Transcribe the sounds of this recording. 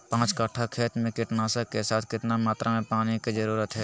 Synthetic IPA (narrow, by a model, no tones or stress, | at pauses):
pãːt͡ʃkəʈʰːakʰeːt̪mẽkɪʈnaːsakesaːt̪ʰkɪʈ̪namaːt̪ɾʔamẽpaːnikizəɾuːɾət̪ɦɛː